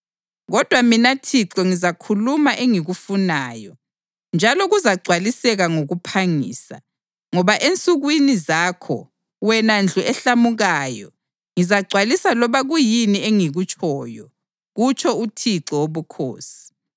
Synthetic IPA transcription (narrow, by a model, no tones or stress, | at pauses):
ɣɔd̥ʱwaminatʰiǁɔŋizakʰulumaʔeŋiɣufunaːjɔ | nd͡ʒʱalɔɣuzaɡ͡ǀʱwalisɛɣaŋoɣupʰaŋḭːsa̰ | ŋɔβaʔent͡sʼuɣwinizaːkʰɔ̰ | wɛnand͡ɮʱuʔɛɬamuɣajɔ̰ | ŋizaɡ͡ǀʱwalisalɔβaɣujinieŋiɣut͡ʃʼʰɔjɔ | ɣut͡ʃʰʼɔutʰiǁɔwoβukʰo̰ːsi̥